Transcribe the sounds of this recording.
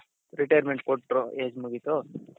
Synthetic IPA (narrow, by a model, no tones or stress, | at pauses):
ɾiʈɐjɐɾmeɳʈ̚koʈːɾoeːd͡ʒmuɡit̪o